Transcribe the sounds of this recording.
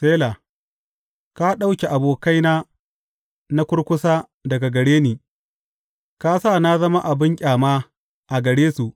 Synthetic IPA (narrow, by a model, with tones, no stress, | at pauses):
seː˦laː˨ | ka˦ɗa˦wkʲe˨ʔa˨boː˨ka˦jnaː˦ | na˦kʷʊ˦ɽkʷʊ˦saː˦ | dɐ˨ɡa˨ɡɐ˨ɽeː˦niː˨ | ka˦saː˦˨na˦zɐ˦ma˦ʔa˨bɪ˦ŋkʲʼaː˨maː˦ | ʔa˨ɡɐ˨ɽeː˦su˨ʔ